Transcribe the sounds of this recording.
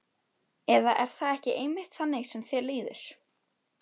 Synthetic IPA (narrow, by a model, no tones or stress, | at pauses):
ɛðaʔɛɾ̥θaɛhcɪʔejmɪht̪θanːɪsɛmθjɛliːðʏɾ̥